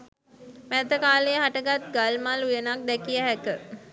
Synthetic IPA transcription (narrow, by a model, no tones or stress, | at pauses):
mæd̪əkaːlejəɦaʈəɡat̪ɡalmalujənak̚d̪ɛkijəɦɛkə